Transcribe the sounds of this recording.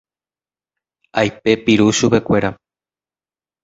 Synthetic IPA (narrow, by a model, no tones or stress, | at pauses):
ajpe̞piɾuʃupe̞kʷe̞ɾa